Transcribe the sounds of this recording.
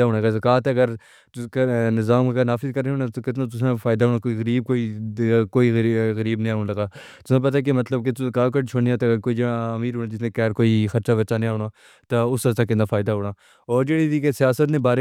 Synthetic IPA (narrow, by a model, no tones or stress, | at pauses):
aɦoːɽ̃aːkazɐkaːt̪ːɡəɾ | knɪzaːmkanaːfɪzkəɾeɦoːnãt̪okɪt̪nãt̪̬ʊsẽfaːɪd̪aːɦoːnaːkoːiɣəɾiːb̚koːiːkoːiːɣɣəɾiːbnĩaːnːləɡaː | t̪ʊsẽp̬ət̪ak̬emət̪ləb̚ket̪kaːkəʈt͡ʃʰoːniãːt̪ːɡəɾkoːid͡ʒəmiːɾɦoːnaːd͡ʒɪsnẽkɛːɾkoːiːxəɾt͡ʃaːbəːt͡ʃaːñːɦoːɽaː | t̪aʊsət̪aːkɪ̃nd̪aːfʰaːɪd̪aːɦoːɽaː | ɔːɾd͡ʒeːɽiiːkesɪjaːsət̪nẽːbaːɾe